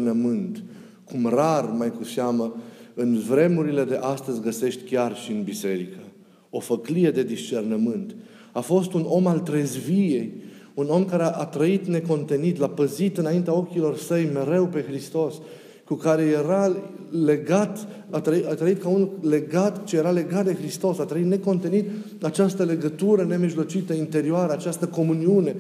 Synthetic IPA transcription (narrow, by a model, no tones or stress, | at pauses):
nəmɨnt̪ | kumrarmajkuseaməɨnvɾe̞muɾile̞d̪e̞ʔast̪əzʲɡəse̞ʃt̪ʲkʲarʃiɨnbise̞ɾikə | o̞fəklije̞d̪e̞d̪ist͡ʃe̞rnəmɨnt̪ | afo̞st̪uno̞malt̪ɾezvije̞j | uno̞mkaɾeʔat̪ɾəit̪ne̞ko̞nt̪e̞nit̪lapəzit̪ɨnaint̪eao̞kʲilo̞rsəjme̞ɾe̞wpe̞xɾist̪o̞s | kukaɾe̞je̞ɾale̞ɡat̪ | at̪ɾəiat̪ɾəit̪kaunule̞ɡat̪t͡ʃejeɾale̞ɡat̪̚d̪e̞xɾist̪o̞sat̪ɾəit̪ne̞ko̞nt̪e̞nit̪ | at͡ʃast̪əle̞ɡət̪uɾəne̞miʒlo̞t͡ʃit̪əint̪e̞ɾioaɾəat͡ʃast̪əko̞muniune̞